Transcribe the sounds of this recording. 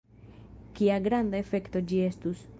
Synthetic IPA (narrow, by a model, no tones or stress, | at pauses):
kiaɡɾand̪aefe̞kt̪o̞d͡ʒie̞stus